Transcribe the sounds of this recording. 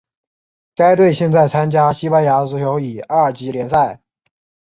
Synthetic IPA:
ka˥ɪt̪we˥˧ɪɕjɛ˥˧nt͡sa˥˩ɪt͡sʰa˥nt͡ɕja˥ɕi˥pa˥nja˧˥t͡sɹ̩˧˥t͡ɕʰjo˧˥ʊi˨˩a˥˩ə˨˩t͡ɕi˧˥ljɛ˧˥nsa˥˩ɪ

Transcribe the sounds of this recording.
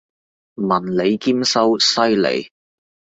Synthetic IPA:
mɐ˨˩nle˨˧jkiː˥msɐ˥wsɐ˥jlḛ˨˩j

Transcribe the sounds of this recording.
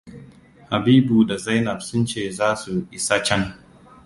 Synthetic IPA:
ha˨biː˦bu˨da˨za˦jnɐ˨bsʊ˦nt͡ʃeː˦˨zaː˦su˨ʔɪ˨sa˦t͡ʃɛ˦ŋ

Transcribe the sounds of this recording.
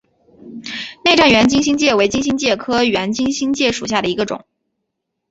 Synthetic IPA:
ne˥˧ɪʈ͡ʂa˥˩nɥɛ˧˥nt͡ɕi˥ŋɕi˥ŋt͡ɕjɛ˥˩we˧˥ɪt͡ɕi˥ŋɕi˥ŋt͡ɕjɛ˥˩kʰɤ˥ɥɛ˧˥nt͡ɕi˥ŋɕi˥ŋt͡ɕjɛ˥˩ʂu˨˩ɕja˥˩ɾə˩i˧˥ɡə˧ʈ͡ʂʊ̰˨˩˦

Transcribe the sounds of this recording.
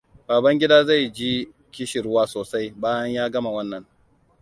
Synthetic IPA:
b̥aː˨bɐ˦ŋɡʲɪ˦daː˦za˦˨jd͡ʒi˦ | kʲɪ˦ʃɪ˨ɾʊ˦waː˦soː˨sa˦jbaː˦jɐ˦ɲjaː˦ɡɐ˦ma˨wɐ˦nːɐ˨˦ŋ

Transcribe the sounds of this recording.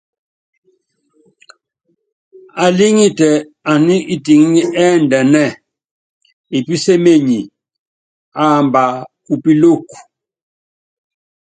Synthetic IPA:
a˨li˦ŋi˦tɛ˨ | a˨ni˦ʔi˦ti˨ŋ˦ɲi˦ʔɛ˦ndɛ˨nɛ˦˨ | i˨pi˦se˦me˦˨ɲi˨ | a˦˨mba˨ | u˨pi˦lo˦˨ku̥˨

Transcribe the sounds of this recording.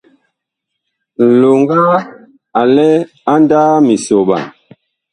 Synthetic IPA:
lo˨ŋɡa˦ | a˨lɛ˦ | a˦ndaː˦mi˨so˨ɓa̰˨

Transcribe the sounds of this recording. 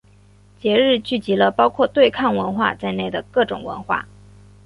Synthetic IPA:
t͡ɕjɛ˧˥ɻɻ̩˥˧t͡ɕy˥˩t͡ɕi˧˥lə˧pɑ˥ʊkʰwɔ˥˧t̪we˥˧ɪkʰɑ˥˩ŋwə˧˥nxwa̰˥˧t͡sa˥˧ɪne˥˩ɪd̪ə˩kɤ˥˩ʈ͡ʂʊ˨˩ŋwə̰˧˥nxwa̰˥˩

